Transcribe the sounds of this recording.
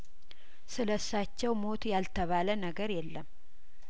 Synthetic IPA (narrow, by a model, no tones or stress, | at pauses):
sɨləsːat͡ʃːɛwmo̞t̪jalt̪ʰəβalənəɡəɾjɛlːəm